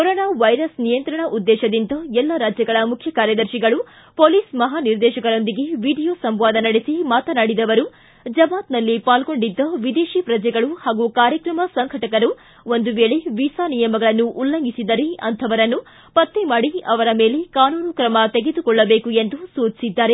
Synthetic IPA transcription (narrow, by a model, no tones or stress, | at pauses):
kɔɾoːnaːʋɐjɾɐsnijɐnt̪ɾɐɳɐʔud̪ːɛːʃɐd̪int̪ɐɛlːɐɾaːd͡ʒjɐɡɐɭɐmukʰjɐkaːɾjɐd̪ɐɾʃiɡɐɭu | poːliːsmɐɦaːniɾd̪ɛːʃɐkɐɾo̞nd̪iɡe̞ʋiːɖijoːsɐmʋaːd̪ɐnɐɽesimaːt̪ɐnaːɽid̪ɐʋɐɾu | d͡ʒɐbaːt̪nɐlːipaːlɡo̞ɳɖid̪ːɐʋid̪eːʃipɾɐd͡ʒɛɡɐɭuhaːɡukaːɾjɐkɾɐmɐsɐŋkʰɐʈɐkɐɾu | o̞nd̪uʋe̞ːɭeʋisaːnijɐmɐɡɐɭɐnːuʔːlːɐŋɡisid̪ɐɾeɐ̰nt̪ʰɐʋɐɾɐnːu | pɐt̪ːemaːɽiɐʋɐɾɐme̞ːle̞kaːnuːnukɾɐmɐt̪e̞ɡed̪ukɔɭːɐbe̞ːkue̞nd̪usuːt͡ʃisid̪ːaːɾe̞